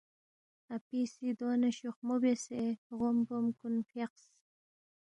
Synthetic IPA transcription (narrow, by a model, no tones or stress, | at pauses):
apisid̪onaʃoxmobeseɣombomkunfeqs